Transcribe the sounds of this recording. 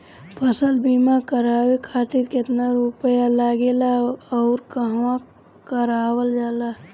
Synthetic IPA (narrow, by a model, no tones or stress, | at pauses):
pʰəsəlbimakəɾaːwekʰaːt̪iɾkɪt̪naɾupəjalaːɡeːlaɔːɾkəɦʋã | kəɾaːwəld͡ʒaːla